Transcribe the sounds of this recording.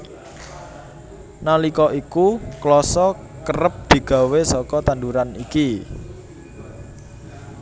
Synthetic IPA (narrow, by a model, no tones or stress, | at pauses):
nalikɔʔikuklɔsɔ | kərəp̚d̪̥i̤ɡ̥a̤wesɔkɔt̪and̪uɾaniki